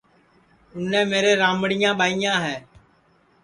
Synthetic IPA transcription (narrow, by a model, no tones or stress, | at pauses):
ʊnːɛ̃ːmeːɾeːɾãːməɽɪjãːɓaːɪjãːɦɛː